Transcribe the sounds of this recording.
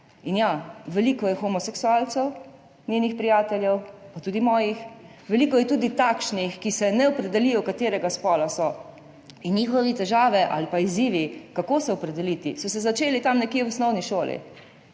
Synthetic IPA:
injaʋɛlikɔjɛxɔmɔsɛksualt̪sɛw | nʲjeːnixpɾijaːt̪ɛljɛwpat̪uːd̪imɔːjix | ʋɛlikɔjɛt̪uːd̪it̪aːkʃnixkisɛnɛɔpɾɛd̪ɛlijɔkat̪eːɾɛɡaspɔlasɔ | injiːxɔʋit̪ɛʒaːʋɛʔa̰lipaiziːʋikakoːsɛɔpɾɛd̪ɛlit̪ḭsɔsɛzat͡ʃeːlit̪amnɛkjewɔsnɔwniʃoːlḭ

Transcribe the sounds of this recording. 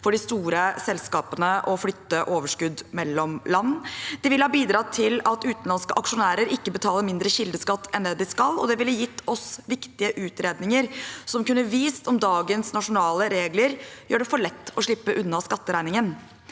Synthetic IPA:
fɔɖɪst̪uːɾəsɛlskɑːpənəʔɔflʏt̪ːəʔoːʋəʂkʉd̪mɛlːɔmlɑnːd̪̥ɪʋɪlhɑːbiːd̪ɾɑːt̪ʰɪlɑt̪ʉːt̪nlɑnskəʔɑkʂʊnæːɾəɾɪkːəbət̪ʰɑːləɾmɪnd̪ɾəɕɪld̪əskɑt̪ːɛnd̪ɛːd̪ɪskɑlːɔ̰d̪ɛʋɪlːəjɪt̪ʰːɔsʋɪkt̪ɪəʔʉːt̪ɾeːd̪nɪŋəɾsɔmkʉnːəʋiːst̪ɔmd̪ɑːɡənsnɑʂʊnɑːləɾeːɡləɾjøːɖɛfɔɭɛt̪ːɔʂɭɪpːəʔʉnːɑskɑt̪ːəɾæɪnɪŋən

